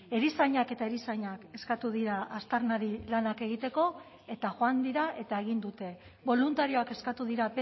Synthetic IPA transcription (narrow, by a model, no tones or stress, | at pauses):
e̞ɾisaɲake̞t̪aeɾisaɲake̞skat̪uðiɾaʔast̪aɾnaɾilanake̞ɣ̞it̪e̞ko̞ | e̞t̪aʝoand̪iɾae̞t̪ae̞ɣ̞ind̪ut̪e̞βo̞lunt̪aɾio̞ake̞skat̪uðiɾape